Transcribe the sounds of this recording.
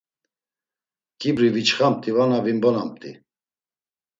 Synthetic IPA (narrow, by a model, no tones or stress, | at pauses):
kʼibɾivit͡ʃχampt̪ʼivanavimbɔnamt̪ʼi